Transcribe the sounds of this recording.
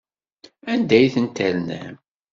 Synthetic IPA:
ænd̪æjθənt̪ælnæ̰m

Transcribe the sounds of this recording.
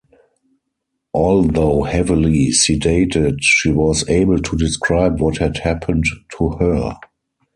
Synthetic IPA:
ʔɔlðoʊhɛvilisideɪtɪtʃiːwɔzeɪbəl̩tʰudɪskʰɹaɪbwɔthɛdhæpʰə̃nttʰuhɜ˞

